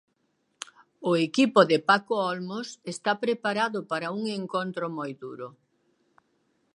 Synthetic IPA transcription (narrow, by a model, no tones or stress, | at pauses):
ʊekipʊðɪpakoɔlmosest̪apɾepaɾaðʊpaɾɐuŋeŋkont̪ɾomojdṵɾʊ